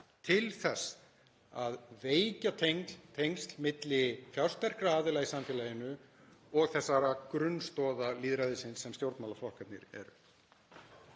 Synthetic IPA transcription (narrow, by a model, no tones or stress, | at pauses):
t̪ʰɪlθɛs | aðveːjcat̪ʰejŋt̪ʰejŋst̪lmɪt̪lɪfjawst̪vɛr̥kɾaaːðɪlajsamfɛːlajɪnʏɔɣθɛsːaɾakɾʏnst̪ɔːðaliːðɾaðɪsɪnsːɛmt̪jowɾt̪mawlaflɔhkap̪nɪ̰ɾɛ̰ɾʏ